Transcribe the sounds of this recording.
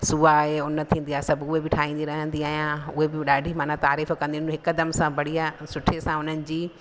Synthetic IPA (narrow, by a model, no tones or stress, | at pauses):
suːaɦeʊnət̪ʰĩːn̆d̪ijaːesɐbʊɦebɪʈʰaːĩːnd̪iɾɐɦə̃nd̪iaːɦijãʊɦebɪɗaːɖʱimãːnãt̪aːɾiːfkɐ̃nd̪iʊnɦɪkd̪ɐmsãbɐɽijasʊʈʰesãʊn̤ənɪ̆d͡ʑiː